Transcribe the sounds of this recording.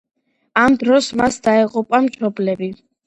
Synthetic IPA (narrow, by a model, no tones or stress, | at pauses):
amd̪ɾɔsmasd̪aɛqʼupʼamʃɔblɛbi